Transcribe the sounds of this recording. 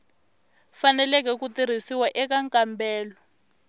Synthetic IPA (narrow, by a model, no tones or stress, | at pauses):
fanɛlɛk̬ɛkutiɾ̤isiwaʔɛk̬aŋkambɛːlɔ